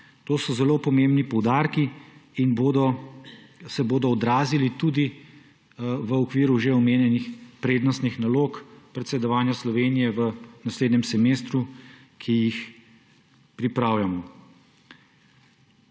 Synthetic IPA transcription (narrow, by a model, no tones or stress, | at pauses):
t̪oːsɔzɛlopɔmembnipɔwd̪aːɾkiinbod̪ɔ | sɛboːd̪ɔːd̪ɾaːzilit̪uːd̪i | ʋəɔkʋiːɾuʒeɔmeːnjɛnixpɾeːd̪nɔst̪nixnaloːkpɾɛt̪sɛd̪ɔʋaːnjaslɔʋeːnijɛʋənasleːd̪nɛmsɛmeːst̪ɾu | kʰijix | pɾipɾaːwjamɔ